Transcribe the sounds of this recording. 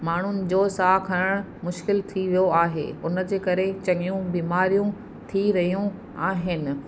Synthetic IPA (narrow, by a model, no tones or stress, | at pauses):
maːɳ̤ʊnɪ̆d͡ʑoːsaːkʰɐɾəɽ̃ | mʊʃkɪlt̪ʰiʋijoaːɦḛːʊnə̆d͡ʑeːkɐɾet͡ɕɐŋijũbiːmaːɾijũ | t̪ʰiɾɐɦijũ | aːɦɪnɪ̆